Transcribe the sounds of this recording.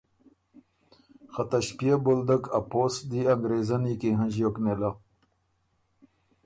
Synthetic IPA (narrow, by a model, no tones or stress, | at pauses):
xat̪aɕpjabold̪əkʰɐposd̪iɐŋɡɾezanikiɦə̃ʑjoknela